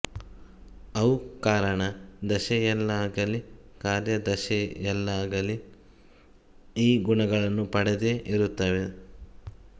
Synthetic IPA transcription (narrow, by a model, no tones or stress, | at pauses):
ɐwukaːɾɐɳɐd̪ɐʃɛjɛlːɐaːɡɐlikaːɾjɐd̪ɐʃɛjɛlːɐaːɡɐli | iːɡuɳɐɡɐɭɐnːupɐɽed̪eʔiɾut̪ːɐʋe